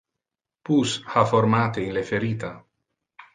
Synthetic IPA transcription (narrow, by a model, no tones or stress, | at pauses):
pushafoɾmat̪einlefeɾit̪a